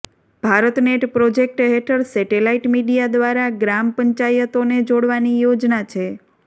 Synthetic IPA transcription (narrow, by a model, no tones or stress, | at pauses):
b̥ʱaɾət̪neʈpɾod͡ʒek̚ʈɦeʈʰəɾsɛʈelaiʈmiɖijad̪ʋaɾaɡɾampəɲt͡ʃajət̪oned͡ʒoɽʋanijod͡ʒnat͡ʃʰe